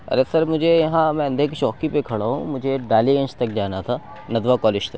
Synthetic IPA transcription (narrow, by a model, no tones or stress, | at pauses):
ɐ̰ɾesɐɾmʊd͡ʒʱejɐɦãmɛ̃ɐ̃nd̪ʱek̬it͡ʃɔːkipekʰɐɽaɦṵ̃mʊd͡ʒʱeɖaːliẽnt͡ʃt̪ɐk̚d͡ʒaːnat̪ʰa | nɐd̪ʋakɔːlɪd͡ʒt̪ɐk